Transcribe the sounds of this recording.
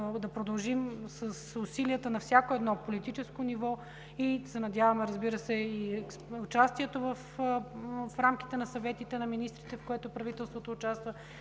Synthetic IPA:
d̪ɐpɾod̪ɐlˠʒimsəsʊsiliət̪ənɐfsʲjakoɛd̪nɔpolit̪it͡ʃɛskonivɔ | isɛnɐd̪ʲjavɐmɛɾəzbiɾəsɛi | ʊt͡ʃast̪iɛt̪ovəf | fɾamki̥t̪ɛnɐsɐvɛt̪it̪ɛnɐminist̪ɾit̪ɛfkoɛt̪ʊpɾɐvit̪ɛlˠst̪vot̪oːt͡ʃast̪və

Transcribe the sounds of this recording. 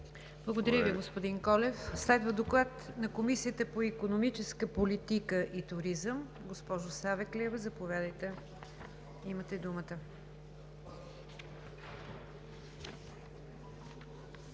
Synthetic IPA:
blˠəɡod̪ɐɾʲjəviɡospod̪inkɔlɛfslɛd̪vəd̪oklˠat̪nɐkomisiət̪əpoikonomit͡ʃɛskəpolit̪ikəʔit̪ʊɾizəm | ɡospɔʒʊsavɛklʲiɛvəzɐpovʲjad̪əjt̪ɛ | imət̪ɛd̪umət̪ə

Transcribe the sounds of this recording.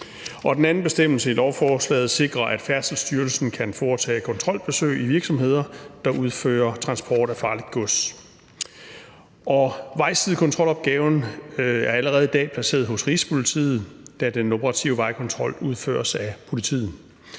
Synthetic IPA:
ɒ̽d̥enæn̩b̥e̝sd̥em̰l̩səilɒʊfɒːslɛ̰ːð̩ˠse̝ɡ̥ʁɐʔæd̥fæɐsl̩sd̥yɐlsn̩kʰænfɒːt͡sʰɛ̰ːkʰɒ̽nt͡sʰʁɒ̽l̰b̥e̝sø̰ɪiʋiɐɡ̥sɒ̽mɦe̝ð̞̰ˠɐd̥ɑ̈ʔuðˠfø̰ːɐt͡sʰʁɑ̈nsb̥ɒ̰ːd̥æfɑ̈ːlid̥̚ɡ̥ɔs | ɒ̽ʋɑ̈ɪ̰sið̩ˠkʰɒ̽nt͡sʰʁɒ̽lɒ̽b̥̚ɡ̥ɛːʊnæɐæləʁɛːð̞̩ˠid̥ɛ̰ːpʰlæse̝̰ːɐð̩ˠɦɔ̽sʁiːspʰo̝lit͡sʰḭːð̞̩ˠd̥æd̥eno̝pʰʁɑ̈t͡sʰiʊʋɑ̈ɪkʰɒ̽nt͡sʰʁɒ̽l̰uð̞ˠfø̰ːɐsæpʰo̝lit͡sʰḭːð̩

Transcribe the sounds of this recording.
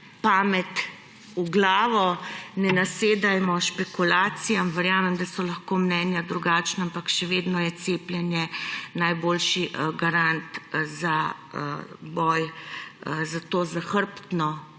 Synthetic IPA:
paːmɛt̪ | uɡlaːʋɔnɛnaseːd̪ajmɔʃpɛkulaːt̪sijamʋɛɾjaːmɛmd̪asɔlaxkoːmnɛːnjad̪ɾuɡaːt͡ʃnaampakʃɛʋeːd̪nɔjɛt̪seːpljɛnjɛnajboːlʃiʔɡaɾant̪za | bɔːj | zat̪oːzaxəɾpt̪nɔ

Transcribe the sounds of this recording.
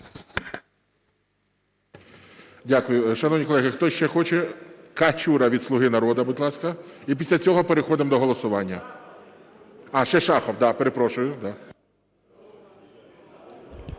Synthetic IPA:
dʲakʊjʊʃɐnɔwnʲikɔlˠɛɦɪxt̪ɔʃt͡ʃɛxɔt͡ʃɛkɐt͡ʃʲuɾɐʋʲid̪sˠʊɦɪnɐɾɔd̪ɐbʊd̪ʲlˠɑsʲkɐipʲisʲlʲɐt͡sʲɔɦɔpeɾexɔd̪ɪmd̪ɔɦɔlˠɔsʊʋɑnʲːɐ | ɑʃt͡ʃɛʃɑxɐwd̪ɑpeɾepɾɔʃʊjʊd̪ɑ

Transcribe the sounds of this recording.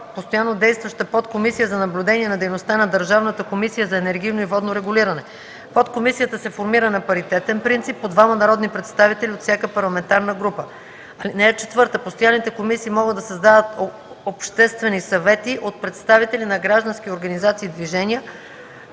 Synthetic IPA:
post̪ojanːod̪ɛjst̪vəʃt̪əpɔt̪komisijəzɐnɐblʲud̪ɛniɛnɐd̪ɛjnost̪anɐd̪əɾʒavnət̪əkomisijəzɐɛnɛɾɡ̟ijnoivɔd̪noɾɛɡʊliɾɐnɛ | pot̪komisijət̪əsɛfoɾmiɾənɐpɐɾit̪ɛt̪ɛnpɾint̪sipːod̪vamɐnɐɾɔd̪nipɾɛt̪st̪avit̪ɛlʲiot̪fsʲakəpɐɾlˠɐmɛnt̪aɾnəɡɾupə | ɐlinɛɛt͡ʃɛt̪vɤɾt̪əpost̪ojanːit̪ɛkomisiːmɔɡəd̪d̪ɐsɐzd̪avət̪ | opʃt̪ɛst̪vɛnisɐvɛt̪iʔot̪̚pɾɛt̪st̪avit̪ɛlʲinɐɡɾaʒd̪ɐnsk̟ʲioɾɡɐnizat̪siːd̪viʒɛnijə

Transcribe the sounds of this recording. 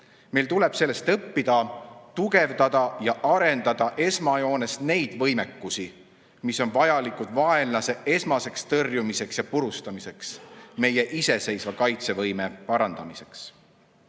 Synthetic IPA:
me̞jlt̪ule̞b̥se̞lːe̞st̪ɤpːid̪̥ɑt̪uɡe̞vd̪̥ɑd̪̥ɑjɑʔɑɾe̞nd̪ɑd̪̥ɑʔe̞smɑjo̞ːne̞sne̞jd̪̥vɤ̞jme̞kːusi | miso̞nvɑjɑlikud̪vɑe̞nlɑse̞ʔe̞smɑse̞kst̪ɤrjumise̞ksjɑpuɾust̪ɑmise̞ksme̞jeʔise̞se̞jsvɑkɑjt̪se̞vɤjme̞pɑɾɑnd̪̥ɑmise̞ks

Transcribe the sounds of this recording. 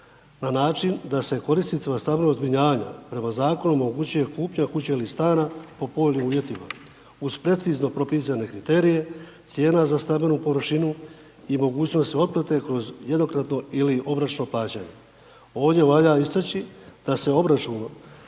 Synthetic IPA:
nanaːt͡ʃind̪ase̞ko̞ɾisnit̪imast̪abenozbɾiɲaːʋaɲa̰pɾe̞mazaːko̞numo̞ɡut͡ɕuje̞kuːpɲakut͡ɕeilist̪aːnapo̞po̞ːʎʲniuːʋje̞t̪ima̰ | uz̥pɾe̞t̪sizno̞pɾo̞piːs̬ane̞kɾit̪e̞ːɾije̞t̪sje̞ːnazast̪abenupo̞ʋɾʃinu | imo̞ɡuːt͡ɕnost̪io̞d̪̚plat̪e̞kɾo̞zje̞d̪no̞kɾat̪no̞iliʔo̞bɾat͡ʃno̞plˠaːt͡ɕaɲe̞̰ | o̞ːʋd̪je̞ʋaʎaist̪at͡ɕid̪̥ase̞o̞bɾat͡ʃuno

